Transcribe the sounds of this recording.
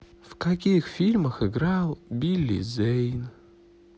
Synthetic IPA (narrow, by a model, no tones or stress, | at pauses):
v̥kʰakʲixfilʲmɐxɨɡralˠbʲilʲːḭzejn